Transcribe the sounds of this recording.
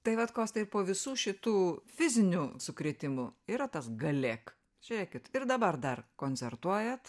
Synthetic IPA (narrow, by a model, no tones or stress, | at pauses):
t̪ɐɪʋɐt̪koːst̪ɪppoːʋʲɪsuːʃʲɪt̪uːfʲɪzʲɪnʲuːsʊkɾʲiːt̪ʲɪmʊiːɾɐt̪ɐsɡɐlʲeːk | ʒʲɛɾʲɛɪkʲɪt̪ɪrd̪ɐbɐrd̪ɐrkoːnʲt͡s̪ʲɛrt̪uɔjɛt̪